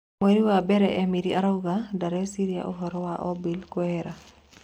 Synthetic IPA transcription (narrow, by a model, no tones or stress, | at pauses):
weɾiwabɛɾɛʔɛmiɾiaɾaɡadaɾɛsiɾia̰ʔɔɦɔɾɔwaʔɔbilkɔɛɾa